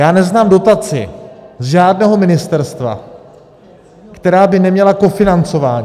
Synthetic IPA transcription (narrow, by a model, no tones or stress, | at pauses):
jaːnɛznaːmdo̞t̪at͡sɪ̰zʒaːdnɛːɦo̞mɪnɪst̪ɛɾst̪va̰ | kt̪ɛɾaːbɪnɛmɲɛlako̞fɪnant͡so̞vaːɲ